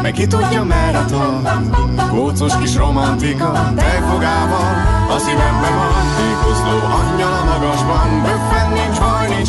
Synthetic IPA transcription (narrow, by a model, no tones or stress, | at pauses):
mɛkːit̪uɟ̪ːɒmɛlːɛt̪ʋɔn | ɡoːt̪soʃkiʃro̞mɒnt̪ikɒ | t̪ɛjfoɡaːbɒnɒsivɛɡbɛɒnt̪ijkosloːɒɲːɒlmɒɡɒʒbɒndøkʋɛnːeːʒbɒjni